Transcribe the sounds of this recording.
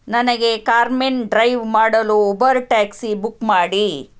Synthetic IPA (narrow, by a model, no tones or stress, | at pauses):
nɐnɐɡe̞kaːɾmenɖɾɐjʋmaːɽɐluɔbɐɾuʈaːksibukmaːɽi